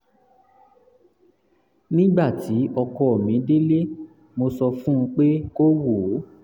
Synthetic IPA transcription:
nĩ˦ɡ͡ba˦˨ti˨˦ɔ˧kɔ˦˨mĩ˨˦de˦le˦ | mo˧sɔ˧fũ˦ũ˧k͡pe˦ko˦wo˨˦

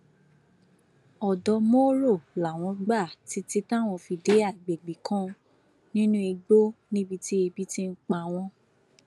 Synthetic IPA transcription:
ɔ˨dɔ˧mo˦ɾo˦˨la˨w̃ɔ̃˧˦ɡ͡ba˦˨ti˨˦ti˦ta˦˨w̃ɔ̃˧fi˧de˨˦a˦˨ɡ͡be˨ɡ͡bi˨kʰã˦ | nĩ˦nũ˦e˧ɡ͡bo˦nĩ˦bi˧ti˦e˧bi˦ti˦n̩˦k͡pa˧a˧w̃ɔ̃˧

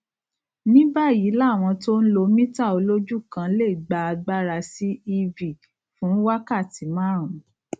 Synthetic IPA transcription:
nĩ˦ba˦˨ji˨˦la˦˨w̃ɔ̃˧to˦n̩˦lo˧mĩ˦ta˦˨o˧lo˦d͡ʒu˦˨kã˧˦le˦˨i˨ɡ͡ba˧˦a˧ɡ͡ba˦ɾa˧si˦i˧vi˨ | fũ˨˦wa˦ka˦˨ti˨˦mãː˦˨ɾũ˨

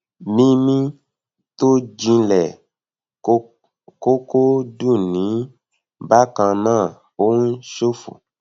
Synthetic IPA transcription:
nĩ˦mĩ˧ | to˦d͡ʒĩ˧lɛ˨˦ | ko˦ko˦du˦˨nĩ˨˦ | ba˦kã˧nãː˦˨ | o˦ŋũ˦ʃo˦fṵ˨

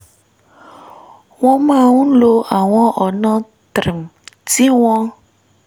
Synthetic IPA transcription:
w̃ɔ̃˦mã˦˨ŋũ˦lo˦a˨w̃ɔ̃˦ʔɔ˨nã˦ | t̪ɾi˨mti˦w̃ɔ̃˦

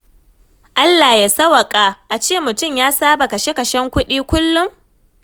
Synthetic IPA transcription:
ʔa˦lːa˨ja˨sɐ˦wɐ˨kʼaː˨ʔa˨t͡ʃeː˦˨mʊ˨tʊ˦˨mjaː˦saː˦ba˨kɐ˨ʃe˦kɐ˨ʃɛ˦ŋkʷʊ˦ɗiː˦kʷʊ˦lːʊ˦m

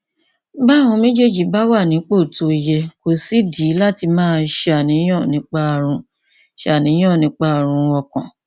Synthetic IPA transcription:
ba˦˨hũ˧mẽ˦d͡ʒe˦˨d͡ʒi˨ba˦wa˦˨nĩ˨˦k͡po˦˨to˨˦˧jɛ˧ko˨si˦di˨˦la˦ti˧mãː˦ʃa˨nĩ˨˦ɔ̃˦˨nĩ˨˦k͡pa˦˨ɾ̃ũ˧ | ʃa˦˨nĩ˨˦j̃ɔ̃˦˨nĩ˨˧˦k͡pa˦˨ɾ̃ũ˧ɔ˧kã˨

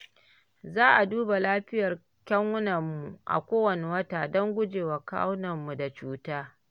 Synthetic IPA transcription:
zaː˦ʔa˨duː˦ba˨laː˦ɸɪ˦jɐ˨r | kʲɐ˦ŋwʊ˦nɐ˨mːu˨ʔa̰˨kʷoː˦wɐ˨ne˨wɐ˦taː˨dɔ˦ŋɡʷʊ˦d͡ʒeː˨wa˨ka̰˦wnɐ˨mːu˨da˨t͡ʃuː˦taː˦

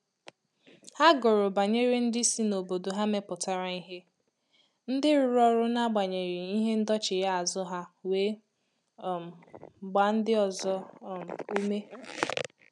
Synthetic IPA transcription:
ha˦ɡʊ˨ɾʊ˨ba˨ɲe˦ɾi˦n̩˦dɪ˦si˦no˨bo˨do˨ɦa˦me˦pʊ˨ta˨ɾa˦i˦ɦe˦ | n̩˦dɪ˦ɾʊ˦ɾɔ˦ɾʊ˦na˦ɡ͡ba˨ɲe˨ɾi˨i˦ɦe˦n̩˦dɔ˦t͡ʃɪ˨ɾa˦a˨zʊ˦ɦa˦we˦˨ | m̩˨ɡ͡ba˨n̩˦dɪ˦ɔ˨zɔ˦m˨u˦me˦

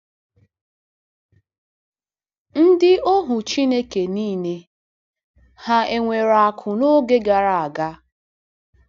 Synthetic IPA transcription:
n̩˦dɪ˦o˦ɦʊ˨t͡ʃi˦ne˦ke˨niː˦ne˦ | ha˦e˨ŋʷe˨ɾa˨kʰʊ˨no˦ɡe˦ɡa˨ɾa˨a˨ɡa˦

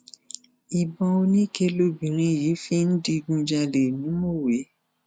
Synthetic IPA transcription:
i˨bɔ̃˧o˧nĩ˦ke˧lo˧bĩ˨ɾ̃ĩ˨˦ji˨˦fi˦n̩˦di˧ɡũ˧d͡ʒa˧le˨nũ˨˦mo˦˨we˨˦

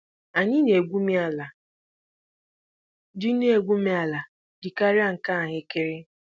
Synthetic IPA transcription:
a˨ɲɪ˦ne˨ɡʷu˦mi˦a˦la˨ | dɪ˦ne˦˨ɡʷu˦mi˦a˨la˨ | dɪ˨ka˦ɾa˦ŋ̩˨ka˦a˨ɦɪ˦kɪ˦ɾɪ˦

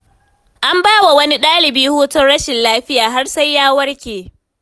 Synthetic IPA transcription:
ʔa˦mbaː˦wa˨wɐ˦ni˦ɗaː˦lɪ˨biː˦huː˦tʊ˦nɽɐ˦ʃɪ˨nlaː˦ɸɪ˦jaː˨ɦa˦rsa˦jːaː˦wɐ˦rkʲeː˨

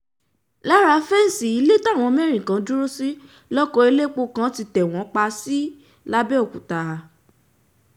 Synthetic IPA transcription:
la˦ɾa˧˦fɛ˦n̩˨si˨i˨˧˦le˦ta˦˨w̃ɔ̃˧mɛ˦ɾ̃ĩ˨kã˨˦du˦ɾu˦si˦ | lɔ˦kɔ˧˦e˧le˦k͡po˧kã˦ti˧tɛ˨w̃ɔ̃˨˦k͡pa˧si˦ | la˦bɛ˦o˦˨ku˨ta˧˦

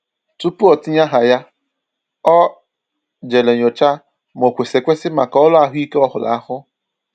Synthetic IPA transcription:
tu˦pu˦ɔ˨tɪ˦ɲa˦ɦa˨ja˦ | ɔ˦ | d͡ʒe˨le˨ɲo˨t͡ʃa˦ | m˨o˨kʷe˨se˨kʷe˦sɪ˦ma˨ka˨ɔ˦lʊ˦a˨ɦʊ˦i˦ke˦ɔ˦ɦʊ˨la̰˨a˦hʊ˦

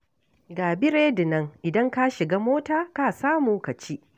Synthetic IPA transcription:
ɡaː˨bɪ˦ɾeː˦dɪ˨nɐ˦ŋʔɪ˨dɐ˦ŋka˦ʃɪ˨ɡaː˦moː˦taː˦ka˦˨saː˦muː˨kɐ˨t͡ʃi˦ʔ

